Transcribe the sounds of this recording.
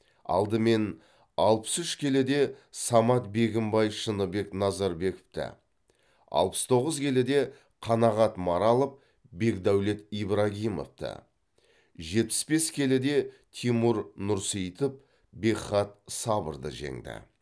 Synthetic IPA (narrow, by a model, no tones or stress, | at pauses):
ɑ̰lˠd̪əme̞n | ɑlˠpə̥sʏʃkʲʰe̞lɪd̪e̞sɑmɑt̪̚be̞ɡʲɪmbɑjʃənəbe̞knɑzɑɾbe̞kə̥pt̪ɪ̰ | ɑ̰lˠpə̥st̪ʰo̞ʁəzkʲʰe̞lɪd̪e̞ | qʰɑnɑʁɑt̪mɑɾɑlˠəp̚ | be̞kd̪æwle̞t̪ijbɾaɡʲijmo̞̰ft̪ə̰ | ʒe̞t̪̚pɪ̥sbe̞skʲʰe̞lɪd̪e̞ | t̪ʰimuɾnʊɾsijt̪əp̚ | be̞χɑt̪̚sɑbə̰ɾd̪ə̰ʒe̞̰ŋd̪ɪ̰